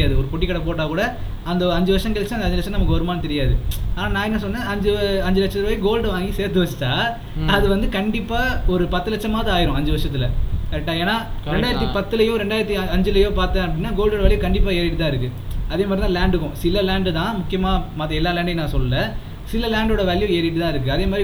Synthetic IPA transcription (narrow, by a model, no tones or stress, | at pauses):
ɾɪjaːðɯɔɾɯpɔʈːɪkːɐɽɐp̬oːʈːãːkuːɽɐ | ɐnd̪ɐɐɲd͡ʒɯʋɐɾʂɐŋɡɐlt͡ʃːɐ̃ɐndɐɲd͡ʒɯlɐʂɐ̃nɐmɐkːɯɔɾɯmaːnɯt̪ɛɾɪjaːðɯaːnaːnãːɛnːɐsɔnːẽːɐɲd͡ʒɯɐɲd͡ʒɯlɐt͡ʃːɐt̪ːɾɐʋɐːjɡoːlɖɯʋaːŋɡiseːɾt̪ːɯʋɐt͡ʃːɐ̥tːaː | ɐðɯʋɐnd̪ɯkɐɳɖɪpːaːɔɾɯpɐt̪ːɯlɐt͡ʃːɐmaːðɯaːjɪɾʊ̃ɐɲd͡ʒɯʋɐɾʂɐt̪ːɪlɐkɐɾʈːaːeːnaːɾɛɳɖaːjɪɾɐt̪ːipɐt̪ːɯlɐjʊ̃ɾɛɳɖaːjɪɾɐt̪ːiɐɲd͡ʒɯlɐjoːpaːɾt̪ɐ̃ɐpːɐɽɪnːaːɡoːlɖoːɽɐʋɐɭjɯkɐɳɖɪp̬ːaːeːɾɪʈːɯt̪ãːɪɾɯk̬ːɯ | ɐðeːmad̪ɾit̪ãːlaːɳɖɯkːʊ̃sɪlːɐlaːɳɖɯt̪ãːmʊkːɪjɐmaːmɐt̪ːɐɛlːaːlaːɳɖɐnãːsɔlːɯlɐ | sɪlːɐlaːɳɖoːɽɐʋɐɭjʊ̃eːɾɪʈːɯt̪ãːɪɾɯkːɯɐðeːmad̪ɾi